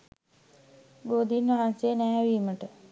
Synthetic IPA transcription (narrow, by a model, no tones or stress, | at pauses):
boːd̪inʋaɦanseənæːʋiːməʈə